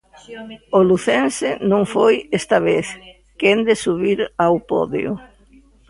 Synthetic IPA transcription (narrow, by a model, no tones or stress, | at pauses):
oluθensɪnõŋfojest̪aβeθ | kend̪ɪsuβiɾawpɔ̰ðḛʊ̰